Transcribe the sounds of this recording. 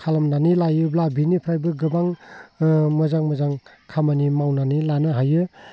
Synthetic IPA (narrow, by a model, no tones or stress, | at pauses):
kʰalamnanilajɯblabinipʰɾajbɯɡɯbaŋ | mɯzaŋmɯzaŋ | kʰamanimawnanilanɯɦajɯ